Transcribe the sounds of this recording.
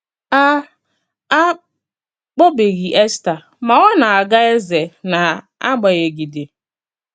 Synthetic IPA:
a˦ | a˦ | k͡po˦be˨ɣi˨ʔe˦sta˨ | ma˨wa˦na˨a˨ɡa˦e˦ze˨na˨ | a̰˦ɡ͡ba˨ɣe˨ɡi˨dɪ˨

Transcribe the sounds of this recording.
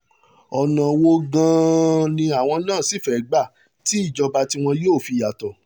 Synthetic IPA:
ɔ˧nã˧wo˦ɡã˦nĩ˧a˨w̃ɔ̃˧nãː˦˨si˨˦fɛ˨˦ɡ͡ba˦˨ | ti˨˦i˦˨d͡ʒɔ˧ba˧ti˧˦w̃ɔ̃˧joː˦˨fi˧˨ja˨tɔ˨

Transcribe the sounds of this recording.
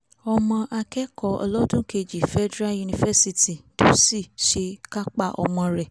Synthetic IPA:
ɔ˧mɔ̃˧ʔa˧kɛ˦kɔ˧˦ɔ̰˧lɔ˦dũ˦ke˧d͡ʒi˨fɛ˦dɾa˦ju˧nĩ˧fɛ˦si˧ti˨do˨˦si˦˨ʃe˧ka˦k͡pa˦˨ʔɔ̰˧mɔ̃˧ɾɛ˨

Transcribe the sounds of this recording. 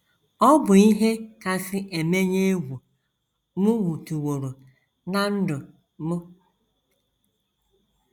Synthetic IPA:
ɔ˦bʊ˨i˦ɦe˦ka˨sɪ˦ʔe˨me˦ɲe˦e˦wʷu˨ | mʊ˦ŋu˨tu˨wo˨ɾo˨ | na˦n̩˦dʊ˨ | mʊ˦

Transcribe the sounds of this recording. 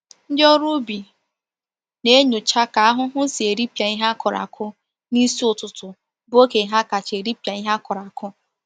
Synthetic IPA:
n̩˦dɪ˦o˦ɾu˦bi˨ | ne˦ɲu˨t͡ʃa˦ka˨a˦ɦʊ˦ɦʊ˦si˨e˨ɾi˦pja˨i˦ɦa˦kɔ˨ɾa̰˨kʰʊ˦ | ni˦si˦ʊ˨tʊ˨tʊ˨ | bʊ˦o˦ke˨ɦa˦ka˨t͡ʃe˨ɾi˦pja˨i˦ɦa˦kɔ˨ɾa˨kʰʊ˦

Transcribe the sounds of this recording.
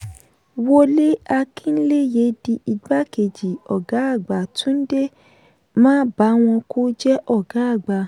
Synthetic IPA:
wo˦le˦a˧kʰĩ˦n̩˦le˦je˨˦di˧i˨ɡ͡ba˦ke˨d͡ʒi˨ɔ˨ɡa˨˦a˦˨ɡ͡ba˨tũ˨˦n̩˦de˦ | mãː˦ba˨˦w̃ɔ̃˧kʰo˦d͡ʒɛ˦ʔɔ˦˨ɡ̥a˨˦a˦˨ɡ͡ba˧˨

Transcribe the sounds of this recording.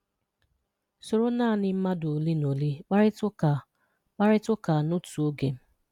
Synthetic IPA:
so˨ɾo˦naː˦˨nɪ˦m̩˦ma˦dʊ˨li˦no˨li˦k͡pa˦ɾɪ˦tʊ˦a˨ | k͡pa˦ɾɪ˦tʊ˦ka˨nʊ˦tu˨o˦ɡe˨m̩˦

